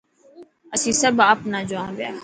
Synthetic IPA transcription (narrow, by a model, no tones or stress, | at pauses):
əsĩːsəbaːpnaːd͡ʒʊãːbja̰ː